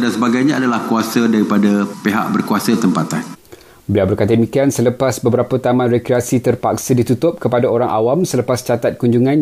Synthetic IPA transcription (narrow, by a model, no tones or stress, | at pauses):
dansəbaɡajɲãadalahkuasadaɾipadapeɦa̰ʔ̚bərkuasat̪əmpat̪an | bəlawbərkat̪amikiansələpasbəbəɾapat̪amãnrekɾiasit̪ərpak̚sadit̪ut̪ʊp̚kəpadaoɾaŋʔawamsələpast͡ʃat̪at̪̚kuɲd͡ʒuŋãn